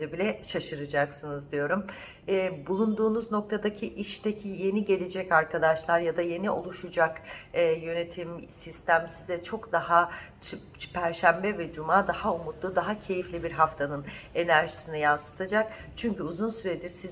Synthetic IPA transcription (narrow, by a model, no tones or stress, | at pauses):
ɛbilʲɛʃaʃɯɾɯd͡ʒaksɯnɯzd̪ijo̞ɾum | ɛːbulˠund̪uːnuzno̞k̚t̪ʰad̪acʰiʔiʃt̪ecʰije̞niɟe̞lʲed͡ʒɛcaɾkʰad̪aʃlˠaɾjad̪aje̞niʔo̞lˠuʃud͡ʒakːjø̞ne̞t̪ʰimsist̪ʰæmsizɛt͡ʃʰo̞kd̪aɦat͡ʃ | pʰæɾʃæmbɛvɛd͡ʒumaːd̪ahaumut̪lˠud̪aɦacʰe̞jiflʲibiɾɦaft̪ʰanɯne̞næɾʒi̥sinijansɯ̥t̪ʰad͡ʒakt͡ʃʰyɲcyuzunsyɾed̪iɾsiz